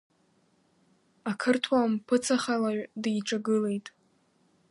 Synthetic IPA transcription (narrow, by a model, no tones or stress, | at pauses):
akʰɨrtʰwampʰɨt͡sʰaχalaɥᶣdjʈ͡ʂʼaɡɨle̞jtʼ